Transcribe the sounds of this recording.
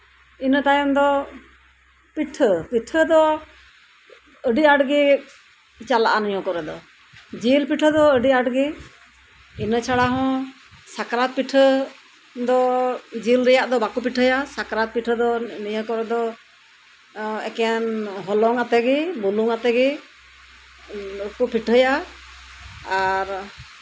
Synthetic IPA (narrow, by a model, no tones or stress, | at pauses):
inət̪ajɔmd̪ɔ | piʈʰəpiʈʰəd̪ɔ | əɖiaɖɡi | t͡ʃalaʔanɔjɔ̃kɔɾɛd̪ɔ̰ | d͡ʒilpiʈʰəd̪ɔəɖiaɖɡi | inət͡ʃʰaɽaɦɔ̃ | sakɾat̪̚piʈʰə | d̪ɔd͡ʒilɾɛjaʔd̪ɔbakupiʈʰəjasakɾat̪̚piʈʰəd̪ɔnijəkɔɾɛd̪ɔ | ɛ̰kɛjanɦɔlɔŋat̪ɛɡɛbuluŋat̪ɛɡɛ | kupiʈʰəja | aɾ